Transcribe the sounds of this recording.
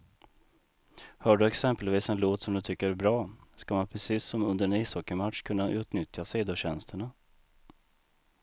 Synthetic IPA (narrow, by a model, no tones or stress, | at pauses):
hœːɖɵɛksɛmpəlviːsɛnloːt̪sɔmd̪ɵt̪ʰʏkːəɾæɾbɾɑːskamanpʰɾɛsiːsːɔmɵnd̪əɾɛnɪsɔkːəmat̪ʂkʰɵnːaʔʉ̟ːt̪nʏt̪jaseːd̪oɕɛnst̪əɳa